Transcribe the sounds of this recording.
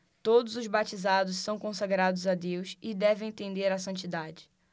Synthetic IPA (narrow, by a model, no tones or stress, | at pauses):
t̪od̪ʊzʊzbat͡ʃizad̪ʊssɐ̃w̃kõsaɡɾad̪ʊzad̪ewsɪd̪ɛvẽj̃t̪ẽnd̪eɾɐsɐ̃nt͡ʃid̪ad͡ʒɪ̥